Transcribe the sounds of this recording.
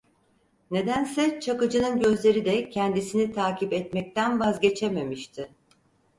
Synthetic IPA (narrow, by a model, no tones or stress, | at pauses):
ne̞d̪ænsɛt͡ʃʰakɯd͡ʒɯnɯnɟø̞zlʲe̞ɾid̪ɛcʰɛnd̪isinit̪ʰaːcipɛt̪mɛc̚t̪ʰænvazɟe̞t͡ʃʰeme̞miʃt̪ʰɪ